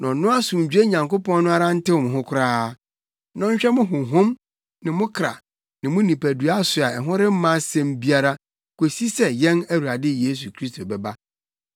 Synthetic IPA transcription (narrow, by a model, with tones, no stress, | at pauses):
nɔ̃˨nːʊ̃˦a˦sʊ̃˨ɲ̩˨d͡ʑᶣe˦ɲã˨ŋko˦pɔ̃˦n˦nʊ̃˦a˦ɾa˦n̩˦tɪ˦wɔ̃˨m˨ɦʊ̃˦kʰʊ˦ɾaː˦ | nɔ̃˦ɲ˦ɕᶣɛ˦mʊ̃˦ɦʊ̃˨ɦʊ̃˦m | nɪ̃˨mʊ̃˦kʰɾa̰˨ | nɪ̃˨mʊ̃˦nĩ˨pʰæ˨du˨a˦sʊ˨a˨ɛ˨ɦʊ̃˦ɾɪ˦m̩˦mã˦sɛ̃˦mbi˦a˦ɾa˦ | ko˨si˦sɛ˦˨jɛ̃˦næ˦wu˨ɾa˨dɪ˦je˦s̬u˨kʰɾi˦stʰo˨bɛ˨ba˦